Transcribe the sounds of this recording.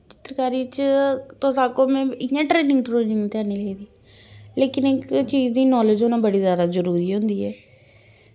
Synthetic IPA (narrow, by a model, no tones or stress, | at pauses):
t͡ʃɪ̥t̪ɾəkaːɾiːt͡ʃt̪oːsaːkoːmɛ̃ːɪãːʈɾeːnɪ̃ŋɡʈ̪ɾoːnɪ̃ŋt̪ɪaːniːlɛiːd̪iː | leːkɪnɪkt͡ʃiːd͡ʒd̪iːnɔːled͡ʒonãːbəɽiːzjaːd̪aːzəɾuːɾiːɦõnd̪iːɛː